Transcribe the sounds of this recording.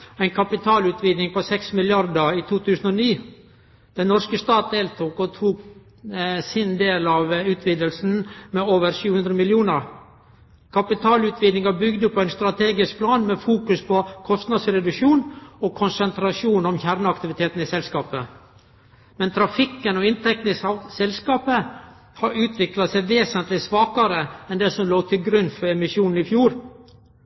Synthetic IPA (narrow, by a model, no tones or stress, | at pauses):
æɪnkʰɑpɪt̪ʰɑːlʉːt̪ʰʋiːd̪nɪŋpɔsɛksmɪljɑɾd̪əɾiːt̪ʰuːt̪ʰʉːsn̩ɔniː | d̪̥ɛnːɔɾskəst̪ɑːt̪̚d̪eːlt̪ʰuːkɔt̪ʰuːk | sɪnd̪eːlɑʋʉːt̪ʰʋiːd̪əlsn̩mɛoːʋəɾʂʉːʉnd̪ɾəmɪljuːnəɾ | kʰɑpɪt̪ʰɑːlʉːt̪ʰʋiːd̪nɪŋɑbʏɡd̪əpʰɔæɪnst̪ɾɑt̪ʰeːɡɪsk̚pʰlɑːnmɛfuːkʉspʰɔkʰɔst̪nɑd̪sɾɛd̪ʉkʃuːnɔkʰʊnsənt̪ɾɑʂuːnɔmçæɾnəɑkt̪ɪʋɪt̪ʰeːt̪n̩ɪsɛlskɑːpə | mɛnt̪ʰɾɑfɪkːənɔɪnt̪ʰɛk̚t̪n̩ɪssɛlskɑːpə | hɑɾʉːt̪ʰʋɪklɑsɛɪʋeːsənt̪lɪsʋɑːkɑɾəɛnd̪ɛsɔmloːɡt̪ʰɪlɡɾʉnfɔɾɛmɪsjuːnn̩ɪfjuːɾ